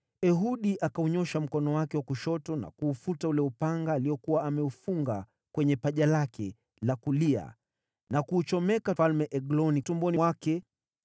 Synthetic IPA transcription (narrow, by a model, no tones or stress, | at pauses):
ɛɦuɗiʔakauɲɔʃam̩kɔnɔwakɛwakuʃɔtɔna̰kuːfutaulɛupaŋɡaːliɔkuwaːmɛufuŋɡa | kwɛɲɛpaʄalakɛ | lakulia̰ | nakuːt͡ʃɔmɛkafalmɛʔɛɡlɔnitumbɔniwakɛ